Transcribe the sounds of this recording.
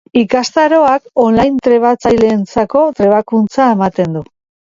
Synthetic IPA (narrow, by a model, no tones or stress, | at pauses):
ikast̪aɾo̞ako̞nlajnt̪ɾe̞β̞at͡sajle̞ːnt͡sako̞t̪ɾe̞βakunt͡saemat̪e̞nd̪u